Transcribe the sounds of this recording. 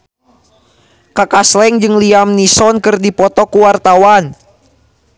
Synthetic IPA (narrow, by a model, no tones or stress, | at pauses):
kakaslɛŋd͡ʒɨŋliamnisɔnkɨrdipɔt̪ɔkuwart̪awan